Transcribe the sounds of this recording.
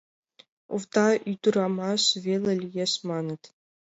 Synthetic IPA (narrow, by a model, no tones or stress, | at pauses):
ṵvt̪ɑyd̪uɾɑmɑʂvʲelʲɘ̆lʲjesmɑnɤ̆t̪ʲ